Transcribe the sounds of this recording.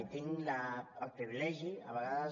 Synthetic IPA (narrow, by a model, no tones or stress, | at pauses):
t̪iŋlaːlpɾiβilɛʒiaβəɣaðəz